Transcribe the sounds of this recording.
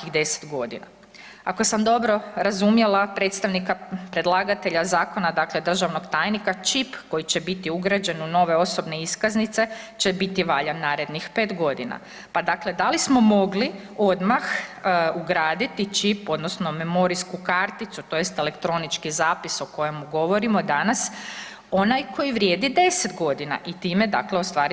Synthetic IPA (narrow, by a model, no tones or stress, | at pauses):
akiɣd̪e̞se̥d̪ɡo̞d̪ḭna̰ | ako̞samd̪o̞bɾo̞ɾazumjelapɾe̞t̪st̪aʋnikapɾe̞d̪lˠaːɡat̪e̞ʎazaːko̞nad̪akled̪r̩ʒaʋno̞kt̪aːjnikat͡ʃipko̞jit͡ɕebit̪iuɡɾad͡ʑe̞nuno̞ʋe̞o̞so̞bne̞iskaznit̪se̞t͡ʃebit̪iʋaʎanːaːɾe̞d̪nixpe̞ːt̪ɡo̞d̪ina̰ | pad̪akled̪alismo̞mo̞ɡli | o̞d̪maxuɡɾaːd̪it̪it͡ʃipo̞d̪nosno̞me̞mo̞ɾiskukaɾt̪it̪sut̪o̞jest̪ele̞kt̪ɾo̞nit͡ʃkizaːpiso̞ko̞jemuɡo̞ʋo̞ɾimo̞d̪anas | o̞najkʰo̞jiʋɾjeːd̪id̪e̞sed̪ɡo̞d̪ina̰ʔit̪iːme̞d̪a̰kleost̪ʋaːɾi